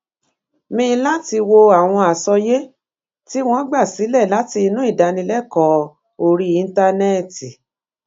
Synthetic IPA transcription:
mĩ˧˦˧la˦ti˧wo˧a˨w̃ɔ̃˧a˨sɔ˧je˦ | ti˦w̃ɔ̃˦ɡ͡ba˦˨si˨˦lɛ˦˨la˦ti˧i˧nũ˦i˦˨da˧nĩ˧lɛ˦kɔ˨˦ | o˧ɾi˧i˧n̩˦ta˧nɛ˦˨ti˨

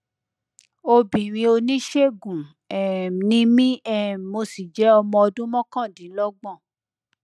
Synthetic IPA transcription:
o˧bĩ˨ɾ̃ĩ˧o˧nĩ˦ʃe˦˨ɡũ˨ | ɛ˨nĩ˦mĩ˦ɛ˦˨mo˧si˨d͡ʒɛ˨˦ɔ˧mɔ̃˧ɔ˧dũ˦mɔ̃˦kã˦˨dĩ˨˦lɔ˦ɡ͡bɔ̃˦˨

